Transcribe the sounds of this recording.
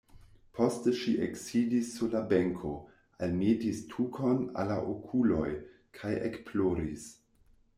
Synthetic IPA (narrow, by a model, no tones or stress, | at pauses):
pʰo̞stəʃiʔeksidisːuɾlabe̞ŋkʰo̞ | almitistʰukʰo̞na̰laʔokʰulo̞̰j | kʰajḛkploɾis